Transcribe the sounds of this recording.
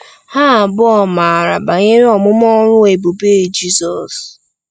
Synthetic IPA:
ha˦˨bʊ˦ɔ˨ma˨ɾa̰˨ba˨ɲɪ˦ɾi˦ɔ˨mʊ˦m˦ɔ˦ɾʊ˦e˨bu˨beː˦˨d͡ʒi˦sɔ˨s

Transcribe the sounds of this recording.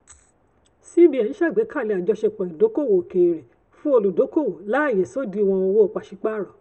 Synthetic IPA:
si˦bi˦ɛ˨nĩ˨˦ʃa˦˨ɡ͡bɛ˨˦ka˦˨le˧˦a˨d͡ʒɔ˧ʃɛ˧k͡pɔ˨ĩ˨do˨˦ko˦˨wo˨ke˨ɾe˨ | fũ˦o˧lo˨do˨˦ko˦˨wo˨la˦a˦˨jɛ˨sɔ˦˨di˨˦˧w̃ɔ̃˧o˧wo˦ɔ˨k͡pa˨ʃi˧˦k͡pa˦˨ɾɔ˨

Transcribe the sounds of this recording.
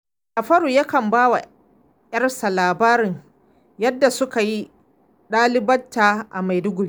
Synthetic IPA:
ʔa˨ɸɐ˦ɽuː˨ja˦kɐ˨mbaː˦wa̰˨ | jɐ˦rsa˨laː˨baː˦ɾɪ˨ŋ | jɐ˦dːa˨sʊ˦ka˨ji˦ | ɗaː˦lɪ˦bɐ˦ntːaː˨ʔa˨ma˨jdʊ˦ɡʷʊ˨ɽiː˦

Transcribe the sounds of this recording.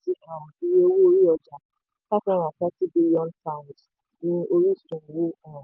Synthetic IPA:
ti˦ã˨i˨je˦o˦wu˦o˧ɾi˦ɔ˧d͡ʒa˨ | ta˦fã˦ɾ̃ã˨tɛ˦ti˦bi˧ljɔ̃˦ntã˦˨nd | nĩ˧˦o˧ɾi˦su˨tũ˨wu˦ã˦˨

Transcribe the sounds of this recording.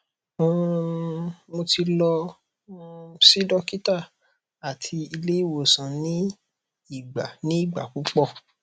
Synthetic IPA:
mo˧ti˧lɔ˧ | si˦dɔ˦ki˦ta˦˨ | a˨tʰi˧i˧le˦i˦˨wo˨sã˨nĩ˦ | i˦˨ɡ͡ba˨nĩ˦i˦˨ɡ͡ba̰˨k͡pu˨˦k͡pɔ˦˨

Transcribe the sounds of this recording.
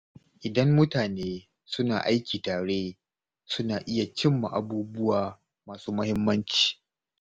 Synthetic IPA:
ʔɪ˨dɐ˦mːʊ˦taː˨neː˦ | sʊ˦na̰ː˨ʔa˦jkʲiː˨taː˨ɽeː˦ | sʊ˦naː˨ʔɪ˦ja˨t͡ʃɪ˦mːa̰˨ʔa˨buː˦bʊ˦waː˨ | maː˨suː˦mɐ˦hɪ˦mːɐ˦nt͡ʃi̥ː˨

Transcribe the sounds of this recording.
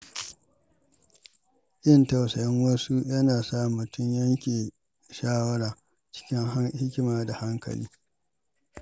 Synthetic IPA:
ʔɪ˦nta˨wsɐ˨jɪ˦ŋwɐ˦su˦jɐ˦naː˨saː˦˨mʊ˨tʊ˦ɲjɐ˦ŋkʲeː˨ | ʃaː˦wɐ˦ɽaː˨ | t͡ʃɪ̥˦kʲɪ˦ŋɦa˦hɪ˦kʲɪ˦maː˨da˨ha˦ŋkɐ̰˨lḭː˦

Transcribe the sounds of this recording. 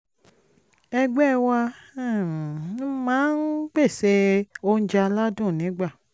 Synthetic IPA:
ɛ˧ɡ͡bɛ˦˨wa˧˦˨ | mãː˦n̩˦k͡pe˦˨se˧o˦n̩˦d͡ʒa˧la˦dũ˦˨nĩ˨˦ɡ͡ba˦˨

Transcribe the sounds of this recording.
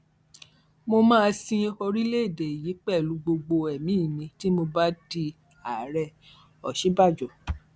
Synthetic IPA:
mo˧mãː˦˧sĩ˧kɔ˧ɾi˦le˦i˦˨de˨i˨ji˨˦k͡pɛ˦˨lu˨˦ɡ͡bo˧ɡ͡bo˧ɛ˨mĩ˨˦˨mĩ˧ti˦mo˧ba˦di˧ | a˨˦ɾɛ˧ | ɔ˨ʃi˨˦ba˦˨d͡ʒɔ˨

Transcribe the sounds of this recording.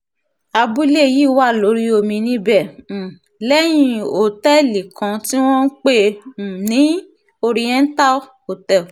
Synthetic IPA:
a˧bu˦le˦˨ji˦˨wa˦˨lo˨˦ɾi˦o˧mĩ˧nĩ˦bɛ˦˨ | lɛ˦j̃ĩ˧o˨tɛ˦˨li˨kã˧ti˦w̃ɔ̃˦n̩˦k͡pe˦˨nĩ˨˦ | o˧ɾi˧jɛ̃˦n̩˦ta˦ | o˨tɛ˨

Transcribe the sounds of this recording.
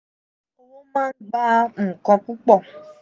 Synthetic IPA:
wo˦wo˦mãː˦n̩˦ɡ͡ba˦˨kɔ̃˧ku˦k͡pɔ˦˨

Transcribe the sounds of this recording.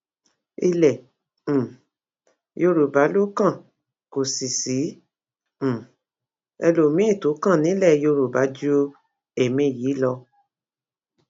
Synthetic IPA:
i˧lɛ̃˨ | jo˧ɾu˨ba˨˦lo˦kã˦˨ | ko˨si˨sĩ˨˦˨ | ɛ̰˧lo˨mĩ˨˦e˦˨to˨˦kã˦˨nĩ˨˦lɛ˦˨jo˧ɾo˨ba˨˦d͡ʒu˦ | e˨mĩ˧˨jiː˨˦lɔ˧

